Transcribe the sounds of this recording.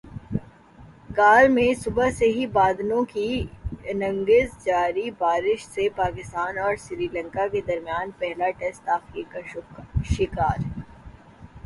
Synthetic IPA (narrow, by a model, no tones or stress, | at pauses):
kaːlmẽsʊbaseɦibaːd̪nõkinɐ̃ŋɡɪzd͡ʒaːɾibaːɾɪʃsepaːkɪst̪aːnɔːɾsɪɾiːlə̃ŋkaked̪ɐɾmijaːnpɛɦlaʈɛːsʈ̪aːxikaʃɪkaːɾɦɛː